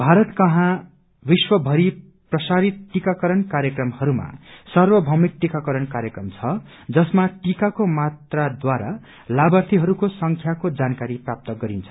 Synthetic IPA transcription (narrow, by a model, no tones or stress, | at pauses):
bʱaɾʌt̪kʌɦã | biswʌbʱʌɾi | prʌsaɾit̪̚ʈikakʌɾʌnkaɾjʌkrʌmhʌɾuma̰sʌrwʌbʱʌmik̚ʈikakʌɾʌnkaɾjekrʌmt͡sʰʌ | d͡zʌsmaʈikakomat̪rad̪waɾa̰ | labʌrt̪ʰiɦʌɾukosʌŋkʰjakod͡zankaɾiprap̚t̪ʌɡʌɾint͡sʰʌ̥